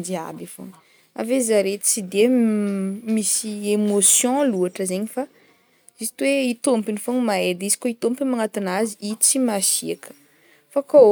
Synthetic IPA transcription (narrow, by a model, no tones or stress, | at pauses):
d͡ʒia̰bifo̰ŋ | a̰vezaɾet̪i̥t͡sid̪e | misiemosjɔ̃luaʈ͡ʂəzeɲifa | isi̥t̪uweit̪ompinifoŋimaed̪izi̥koit̪ompimaŋat̪inaziʔit͡simasiakə̥ | fako